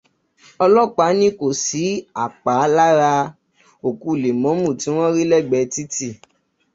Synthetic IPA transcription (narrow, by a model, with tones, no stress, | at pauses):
ɔ˧lɔ˦˨k͡pa˨˦nĩ˦ko˨si˨˦a˨k͡pa˨˦la˦ɾa˧ | o˨ku˧˨le˨mɔ̃˨˦mũ˦˨ti˨˦w̃ɔ̃˦ɾi˦lɛ˦˨ɡ͡bɛ˧ti˦ti˦˨